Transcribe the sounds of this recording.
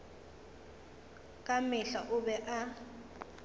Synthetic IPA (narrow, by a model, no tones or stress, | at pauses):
kʼamɪɬaʔʊɓɛʔa